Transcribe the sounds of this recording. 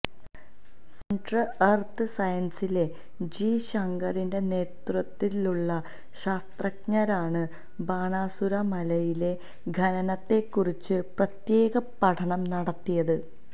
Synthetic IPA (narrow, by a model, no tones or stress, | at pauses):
seɳɖrɐɐrt̪ɨsɐjɐnsile̞ | d͡ʑiːɕɐŋɡɐrinde̞ne̞ːt̪rɐt̪ːiluɭːɐ | ɕaːst̪rɐkɲɐɾaːɳɨ | baːɳaːsuɾɐmɐlɐjile̞ | ɡʱɐnɐnɐt̪ːe̞kːurit͡ɕːɨprɐt̪je̞ːɣɐpɐʈʰɐɳɐmnɐɽɐt̪ːijɐðɨ